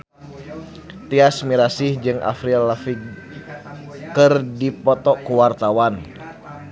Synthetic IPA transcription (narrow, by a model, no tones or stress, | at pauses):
t̪iasmiɾasihd͡ʒɨŋʔa̰fɾilafi | kɨrdipɔt̪ɔkuwart̪awan